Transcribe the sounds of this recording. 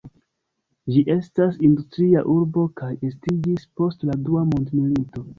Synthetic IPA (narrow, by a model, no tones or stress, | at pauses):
d͡ʒiʔe̞stasindustɾia̰ʔuɾbo̞kaje̞stid͡ʒispo̞stladuamondmilito̞